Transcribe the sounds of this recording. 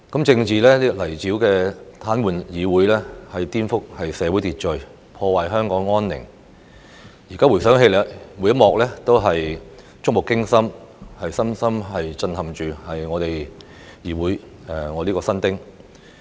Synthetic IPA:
kɐ˨˥mt͡sɪ˧ŋt͡siː˨lɛː˥li˥lɐ˨˩jt͡siː˨˥wkɛː˧t̪ʰaː˨˥nwuː˨njiː˨˧wuː˨˥jlɛː˥hɐ˨jt̪iː˥nfʊ˥k̚hɐ˨jsɛː˨˧wuː˨˥jt̪iː˨t̚t͡ʃɵ˨ɥ | pʰɔː˧waː˨jɦœː˥ŋkɔː˨˥ŋːɔː˥nːɪ̰˨˩ŋ | jiː˨˩kaː˥wu˨˩jsœː˨˥ŋɦe˧jlɛ˨˧˥mu˨˥jɐ˥t̚mɔː˨k̚lɛː˥t̪o˥wɦɐ˨j | t͡sʊ˥k̚mʊ˨˩kːɪ˥ŋsɐ˥mhɐ˨jsɐ˥msɐ˥mɦɐ˨jt͡sɐ˧nhɐ˨mt͡ʃyː˨hɐ˨jŋɔː˨˧t̪e˨j | jiː˨˩wuː˨˥j | ɛ˨˩ŋɔː˨˧liː˥kɔː˧sɐ˥nt̪ɪ˥ŋ

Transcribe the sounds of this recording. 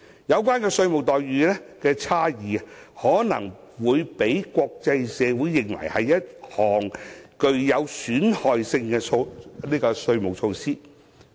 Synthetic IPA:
jɐ˨˧wkʷaː˥nkɛː˧sɵ˧ɥmʊ˨k̚t̪ɔː˨jɥyː˨˥lɛː˥kɛː˧t͡sʰaː˥jiː˨ɐ˨hɔː˨˥nɐ˨˩ŋ | wuː˨˧jpe˨˥jkʷɔː˧k̚t͡sɐ˧jsɛː˨˧wu˨˥jːɪ˨ŋwɐ̰˨˩jhɐ˨jːɐ˥t̚hɔː˨˩ŋkɵ˧ɥjɐ˨˧wsyː˨˥nhɔː˨jsɪ˧ŋkɛː˧o˧niː˥kɔː˧sɵ˧ɥmʊ˨k̚t͡ʃʰo˧wsiː˥

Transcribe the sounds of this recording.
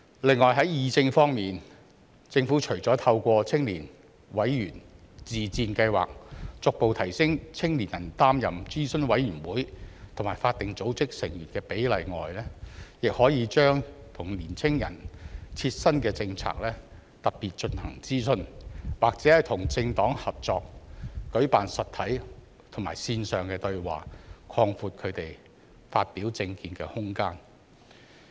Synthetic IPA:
lɪ˨ŋːɔː˨jɦɐ˨˥jjiː˨˧t͡sɪ˧ŋfɔː˥ŋmiː˨n | t͡sɪ˧ŋfu˨˥t͡ʃʰɵ˨˩ɥt͡sɔː˨˥t̪ʰɐ˧wkʷɔː˧t͡sʰɪ˥ŋliː˨˩n | wɐ˨˥jjyː˨˩n | t͡siː˨t͡siː˧nkɐ˧jwa̰ː˨k̚t͡sʊ˨k̚po˨wt̪ʰɐ˨˩jsɪ˥ŋt͡sʰɪ˥ŋliː˨˩njɐ˨˩nt̪aː˥mjɐ˨mt͡siː˥sɵ˥nwɐ˨˥jyː˨˩nwuː˨˥jt̪ʰʊ˨˩maː˨˩jfaː˧t̚t̪ɪ˨ŋt͡so˨˥wt͡sɪ˥k̚sɪ˨˩ŋjyː˨˩nkɛː˧pe˨˥jlɐ˨jŋɔ̰ː˨jlɛː˥jɪ˨k̚hɔː˨˥jiː˨˧t͡ʃœː˥ŋt̪ʰʊ˨˩ŋliː˨˩nt͡sʰɪ˥ŋjɐ̰˨˩nt͡sʰiː˧t̚sɐ˥nkɛː˧t͡sɪ˧ŋt͡sʰa̰ː˧k̚lɛː˥ | t̪ɐ˨t̚piː˨˩t̚t͡ʃɵ˧nhɐ˨˩ŋt͡siː˥sɵ˧nwaː˨k̚t͡sɛː˨˥hɐ˨˩jt̪ʰʊ˨˩ŋt͡sɪ˧ŋt̪ɔː˨˥ŋhɐ˨p̚t͡sɔː˨˧k̚kɵ˨˥ɥpaː˨nsɐ˨t̪ʰɐ˨˥j | t̪ʰŋmaː˨˩jsiː˧nsœː˨˩ŋkɛː˧t̪ɵ˧ɥwa̰ː˨kʰɔː˧ŋfuː˧t̚kʰɵ˨˧ɥt̪e˨j | faː˧t̚piː˨˥wt͡sɪ˧ŋkiː˧nkɛː˧hʊ˥ŋkaː˥n

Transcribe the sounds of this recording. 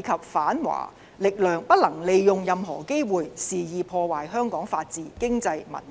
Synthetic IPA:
kʰɐ˨p̚faː˨˥nwa̰ː˨˩ | lɪ˨k̚lœː˨ŋpɐ˥t̚lɐ˨˩ŋle˨˧jjʊ˨ŋjɐ˨mɦɔː˨˩ke˥jwuː˨jsiː˨jiː˨pʰɔː˧waː˨˩jɦœː˥ŋkɔː˨˥ŋfaː˧t̚t͡siː˨kɪ˥ŋt͡sɐ˧jmɐ̰˨˩n

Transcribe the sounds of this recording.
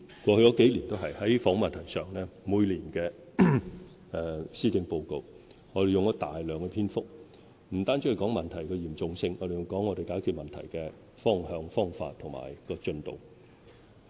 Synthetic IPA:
kʷɔː˧hɵ˧jɔ˨˧˥ke˨˥jliː˨˩nt̪o˥wɦɐ˨jhɐ˨˥jfɔː˨˥ŋmɐ˨nt̪ʰɐ˨˩jsœː˨ŋlɛː˥muː˨˧jliː˨˩nkɛː˧ | ɛː˨˧siː˥t͡sɪ˧ŋpo˧wko˨˧w | ŋɔː˨˧ɾe˨jʊ˨ŋjɐ˥t̪a̰ː˨jlœː˨ŋkɛː˧pʰiː˥nfʊ˥k̚ | m̩˨˩t̪aː˥nt͡sy˧˥ɐ˨jkɔː˨˥ŋmɐ˨nt̪ʰɐ˨˩jkɛː˧jiː˨˩mt͡sʊ˨ŋsɪ˧ŋɔː˨˧ɾe˨jʊ˨˩wkɔː˨˥ŋɔː˨˧ɾe˨jkaː˨˥jkʰyː˨t̚mɐ˨nt̪ʰɐ˨˩jkɛː˧ | fɔː˥ŋhœː˧ŋfɔː˥ŋfa̰ː˧t̪̚ʰŋma̰ː˨˩jkɔː˧t͡ʃɵ˧nt̪o̰˨w

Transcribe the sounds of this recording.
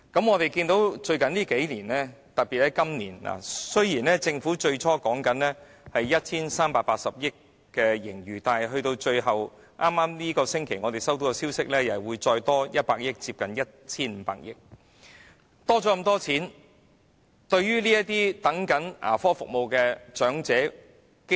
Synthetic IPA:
kɐ˨˥mŋɔː˨˧t̪e˨jkiː˧nt̪o˨˥wt͡ʃɵ˧ɥkɐ˨˥nliː˥ke˨˥jliː˨˩nlɛː˥ | t̪ɐ˨t̚piː˨t̚lɛ˥kɐ˥mnḭː˨˩nla̰˨˩sɵ˥ɥjiː˨˩nlɛː˥t͡sɪ˧ŋfuː˨˥t͡ʃɵ˧ɥt͡ʃʰɔː˥kɔː˨˥ŋkɐ˨˥nlɛː˥ | hɐ˨jːɐ˥t̚t͡sʰiː˥nsaː˥mpaː˧t̚paː˧t̚sɐ˨p̚jɪ˥kː | ɛː˧jɪ˨˩ŋjyː˨˩t̪aː˨˩ɦɵ˧t̪o˧wt͡ʃɵ˧ɥɦɐ˨˩w | ʔaː˥mːaː˥mliː˥kɔː˧sɪ˥ŋkʰe˨˩jŋɔː˨˧t̪e˨jsɐ˥wt̪o˨˥wkɔ˧siː˥wsɪ˥k̚lɛː˥jɐ˨wuː˨˧jt͡ʃɔː˧jt̪ɔː˥jɐ˥t̚paː˧k̚jɪ˥k̚t͡siː˧p̚kɐ˨njɐ˥t̚t͡sʰiː˥nm̩˨˦pa̰ː˧k̚jɪ˥k̚ | t̪ɔː˥t͡sɔː˨˥kɐ˧mt̪ɔː˥t͡sʰiː˨˥n | t̪ɵ˧ɥjyː˥liː˥jɐ˥t̪̚iː˥t̪ɐ˨˥ŋkɐ˨˥nʔa̰ː˨˩fɔː˥fʊ̰˨k̚mo˨wkɛː˧t͡ʃœː˨˥ŋt͡sɛː˨˥ | k

